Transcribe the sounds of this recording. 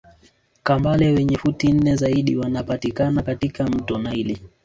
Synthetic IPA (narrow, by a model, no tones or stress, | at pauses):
kambalɛwɛɲɛfutin̩nɛzaiɗiwanapatikanakatikam̩tɔnaili